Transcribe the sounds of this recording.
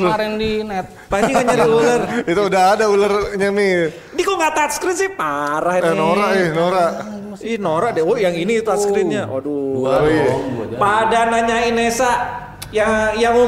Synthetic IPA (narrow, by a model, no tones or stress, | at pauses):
ndinɛt̪̚ | bad͡ʒiaɲadiularit̪uudaɦadaularɲami | dikoŋɡat̪at̪skɾɪt̪sɪhpaɾaɦinoɾaʔɪhnoɾaʔ | ihnoɾaʔdɛojaŋinit̪uaskɾɪt̪̚ɲaʔo̰du | padanaɲainesa | jaŋjaŋ